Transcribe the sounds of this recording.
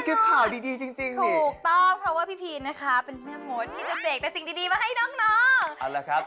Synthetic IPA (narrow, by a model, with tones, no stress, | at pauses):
ke˦˥t̚t͡ɕʰaː˨˩˦jdiː˧diː˧t͡ɕi˧ŋt͡ɕi˧ŋt̪ʰuː˧˨˩k̚t̪ɔ˥˩ŋpʰɾɔ˦˥waː˥˩pʰiː˥˩pʰiː˧na˦˥kʰa˦˥pe˧nmɯ˧˩moː˨˦˥n̚t̪ʰiː˥˩t͡ɕa˨˩deː˨˩k̚t̪ɛː˨˩si˨˩ŋdiː˧diː˧maː˧˩ɦa˥˩jnɔː˦˥˩ŋnɔː˦˥˩ŋʔa̰˨˧˩laː˨˧˩kʰɾa˦˥p̚